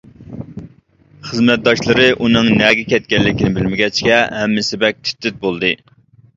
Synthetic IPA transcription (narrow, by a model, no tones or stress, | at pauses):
χəzmɛt̪̚d̪ɑʃlˠɨɾɨʔunɨŋnɛɡʲɛkʲɛt̪̚kʲɛlːɪkʲinɪbɪlmɪɡʲɛt͡ʃkʲɛɦɛmːɪsɪbɛk̚ʲt̪ʰy̥t̪ːɪt̪̚bolˠd̪ɨ